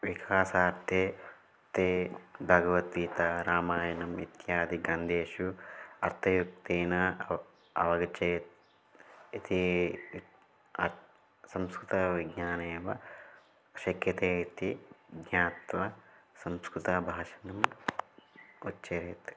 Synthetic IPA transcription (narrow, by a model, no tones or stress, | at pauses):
ʋikʰaːsaːɾt̪ʰjeː | t̪eːbʱɐɡɐʋɐt̪iːt̪ɐɾaːmaːjɐnɐmḭt̪jaːd̪iɡɾɐnd̪ʱeːʃuɐ̰ɾt̪ʰɐjukt̪eːnɐ | ɐ̰ʋɐɡɐt͡ʃe | it̪i | ɐɾ | sɐmskɾut̪ɐʋiɡɲaːneːʋɐ | ʃɐkjɐt̪eːit̪iɡɲaːt̪ʋɐsɐmskɾut̪ɐbʱaːʃɐ̥nɐm | utːt͡ʃɐɾeːt̪